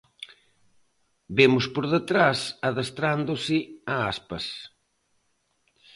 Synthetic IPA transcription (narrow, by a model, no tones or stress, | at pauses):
bemʊspoɾðət̪ɾasɐðɐst̪ɾand̪ʊsɪaaspɐs